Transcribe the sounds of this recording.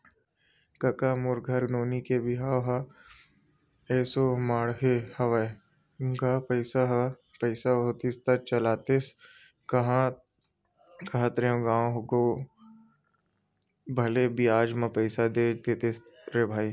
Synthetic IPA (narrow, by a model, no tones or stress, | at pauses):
kɐkamʊɾɡʱəɾnoːnikebɪɦaːɦa | eːsomaːɽɦehɐʋae | ɡaːpəɪsaɦ | pəɪsaot̪ist̪at͡ʃɐlaːt̪es | kɐɦã | kɐɦãt̪ɾeõɡãːõɦoɡo | bʱɐlebiaːd͡ʒmãpəɪsad̪eːd͡ʒt̪et̪esɾebʱaːi